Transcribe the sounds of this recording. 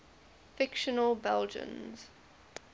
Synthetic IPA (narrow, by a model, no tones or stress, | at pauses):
fɪkʃənəlbɛld͡ʒə̰̃nz̥